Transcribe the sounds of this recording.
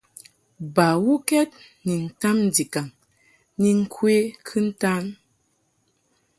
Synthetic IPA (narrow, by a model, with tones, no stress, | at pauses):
ba˨wu˦kɛ˦t̚ | ni˨n̩˨ta˦m˨di˨ka˨ŋ | ni˨ŋ̩˦kʰwe˦kʰɨ˦n̩˦ta˦n